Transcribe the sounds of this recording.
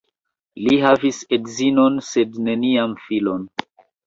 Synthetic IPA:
liɦavisedzino̞nse̞dne̞niamfilo̞n

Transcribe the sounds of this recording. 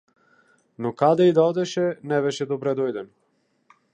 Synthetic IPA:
nɔkad̪ɛid̪aɔd̪ɛʃɛnɛbɛʃɛd̪ɔbɾɛd̪ɔjd̪ɛnɔ

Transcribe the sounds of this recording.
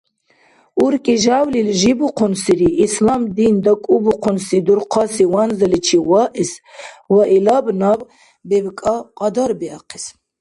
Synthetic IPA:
uɾkʼiʒawlilʒibuqʰɔnsiɾiʔːslamd̪ind̪ɔkʼubuqʰɔnsid̪uɾqʰɑsiwanzəlit͡ʃʰiwɑʔiswaʔilɑbnɑb | bɛbkʼɑqʼɑd̪ɔɾbiɑqʰis

